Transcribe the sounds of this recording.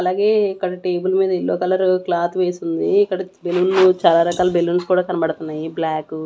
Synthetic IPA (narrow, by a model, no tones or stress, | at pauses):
ɐlaːɡe̞ːikːɐɽɐʈe̞ːbulɐmiːd̪ɐilːoːkɐlɐɾuklaːt̪ʰʋeːsund̪iːkːɐɽɐbelunːut͡ʃaːlaːɾɐkaːlɐbelːunskuːɽaːkɐnɐbɐɽut̪unːaːjiblaːkːu